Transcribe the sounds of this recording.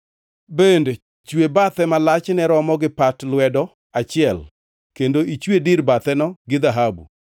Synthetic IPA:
bende | t͡ʃwebat̪ɛmalat͡ʃnɛɾɔmɔɡɪpatlwɛdɔ | at͡ʃɪɛl | kendoʔit͡ʃwediɾbat̪ɛnɔɡɪd̪aɦabṵ

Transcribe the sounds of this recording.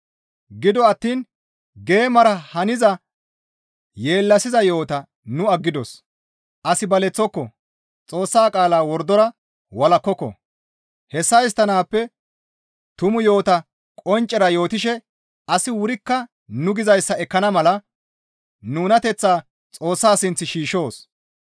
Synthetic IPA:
ɡɪd̪ɔɐt̪ːiːn | ɡe̞ːmɐɾɐhɐnɪzɐ | je̞ːlːɐsɪzɐjo̞ːt̪ɐ | nʊɐɡːɪd̪ɔs | ʔɐsɪbɐlɛt͡sːɔkːɔ | t͡sʼo̞ːsːaːkʼaːlaːwɔɾd̪ɔɾɐ | wɐlɐkːɔkːɔ̰ | hɛsːɐjɪs̬t̪ːɐnaːpːɛ | t̪ʊmʊjo̞ːt̪ɐ | kʼɔnt͡ʃʼːɛɾɐjo̞ːt̪ɪʃɛ | ɐsɪwʊɾɪkːɐ | nʊɡɪzɐjsːɐɛkːɐnɐmɐlɐ | nuːnɐt̪ɛt͡sːaː | t͡sʼo̞ːsːaːsɪnt͡sːɪʃiːʃo̞ːs

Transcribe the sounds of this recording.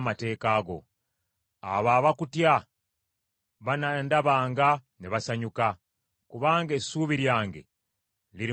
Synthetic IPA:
mate̞ːkaːɡo̞̰ | a̰βaːβakutja | βanandaβaːŋɡa | neβasaɲuka | kuβaːŋɡesuːβiɾjaːŋɡe̞̰ | liɾ

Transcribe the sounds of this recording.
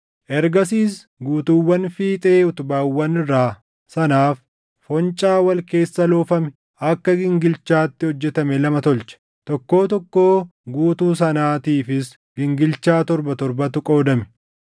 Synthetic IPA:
ʔɛɾɡɐs̬iːs | ɡuːt̪ʊwːɐnfiːt̪ʼeːʊt̪ʊbaːwːɐnɪrːaː | sɐnaːfː | ɔnt͡ʃʼaːwɐlke̞ːsːɐloːfɐmɛ | ʔɐkːɐɡɪŋɡɪlt͡ʃːaːt̪ːɪhɔd͡ʒːɛt̪ɐmɛlɐmɐt̪ɔlt͡ʃɛ̥ | t̪ɔkːo̞ːt̪ɔkːo̞ːɡuːt̪uːs̬ɐnaːt̪iːfɪs | ɡ̥ɪŋɡɪlt͡ʃːaːt̪ɔɾbɐt̪ɔɾbɐt̪ʊkʼo̞ːd̪ɐmɛ̥

